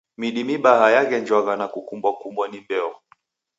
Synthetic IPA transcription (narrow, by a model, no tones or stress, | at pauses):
miɗimiɓahajaɣɛɲd͡ʒwaɣanakukumbwakumbwanimbɛɔ